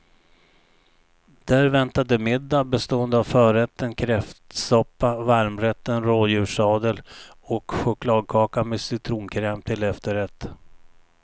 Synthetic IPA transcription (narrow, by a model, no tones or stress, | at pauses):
d̪̥æɾvɛnt̪ad̪əmɪd̪ːabɛst̪oːənd̪əavfœːɾɛt̪ːənkʰɾɛft̪sɔpːavaɾmɾɛt̪ːənɾoːd̪jʉ̟ːʂɑːd̪əlɔkɧʊkʰlɑːd̪̚kʰɑːkamesɪt̪ʰɾuːnkʰɾɛːmt̪ʰɪlɛft̪əɾɛt̪ː